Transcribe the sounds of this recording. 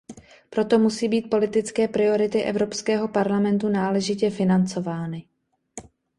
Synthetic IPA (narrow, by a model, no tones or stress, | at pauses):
pɾo̞t̪o̞musiːbiːt̪̚po̞lɪt̪ɪt͡skɛːpɾɪo̞ɾɪt̪ɪʔɛ̰vɾo̞pskɛːɦo̞paɾlamɛnt̪unaːlɛʒɪcɛfɪnant͡so̞vaːnɪ